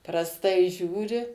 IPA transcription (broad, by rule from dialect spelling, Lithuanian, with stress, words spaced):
prɐsˈtɐɪ ˈʒʲuːrʲɪ